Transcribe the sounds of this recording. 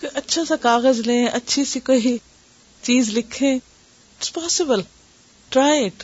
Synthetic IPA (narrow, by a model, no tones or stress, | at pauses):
kʔɐtːʃʰasãkaːɣəzlẽːʔɐtːʃʰisikoːi | t͡ʃiːzlɪkʰẽ | ɪʈspɔːsɪbəl | ʈɾaːjeʈ